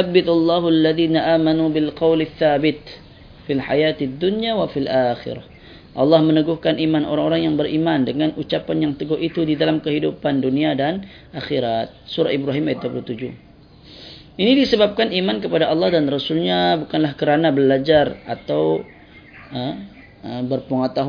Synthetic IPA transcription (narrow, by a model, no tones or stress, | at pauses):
abːɪt̪alːɑːɦalːaðiːnaʔaːmanubɪlqɑwlɪθːaːbɪt̪̚ | filħa̰jat̪d̪ːunjawafilʔaːxɪ̰ɾa̰h | ʔɑlːɑhmənəɡuhkanʔimanʔo̰ɾaŋoɾaŋjaŋbəɾʔimandəŋanʔut͡ʃapanjaŋt̪əɡɔhit̪udidalamkəɦidupanduniadan | ʔaxiɾat̪̚suɾa̰ibɾaɦimajt̪̚duapəlut̪ud͡ʒu | ʔinidisəbap̚kanimank̬əpadaʔɑlːɑhdanrasulɲabukanlahkəɾanabəlad͡ʒara̰t̪aw | ə | əbərpəŋət̪aɦu